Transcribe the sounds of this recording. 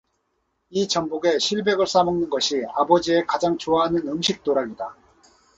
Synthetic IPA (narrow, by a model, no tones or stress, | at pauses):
it͡ɕʌmboɡe̞ɕʰiɭbe̞ɡɯɭs͈amɯŋnɯnɡʌɕʰiabʌd͡ʑie̞kad͡ʑaŋt͡ɕoaɦanɯnɯmɕʰik̚t͈oɾaɡida